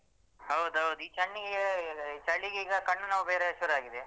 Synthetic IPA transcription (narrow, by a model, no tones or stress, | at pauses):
hɐwd̪ɐwd̪uiːt͡ʃɐɳːiɡet͡ʃɐɭːiɡeiːɡɐkɐɳːunaʋubeːɾeʃuɾaːɡid̪e